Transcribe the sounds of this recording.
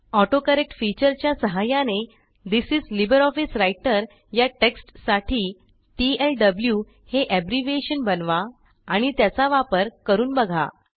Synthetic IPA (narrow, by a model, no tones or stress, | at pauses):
ɔʈokəɾek̚ʈfit͡ɕəɾt͡ɕjasəɦajãne | d̪isid͡zlibəɾɔfisɾajʈəɾ | jaʈeksʈsaʈʰiː | ʈielɖəblju | heʔæbɾiʋeɕənbənʋa | aɽ̃it̪jat͡saʋapəɾkəɾuːnbəɡʱa̰